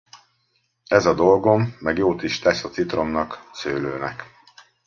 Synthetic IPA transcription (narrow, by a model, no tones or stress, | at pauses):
ɛzɒd̪o̞lɡo̞mːɛɡjoːt̪iʃt̪ɛsɒt̪sit̪ro̞mnɒksøːløːnɛ̰k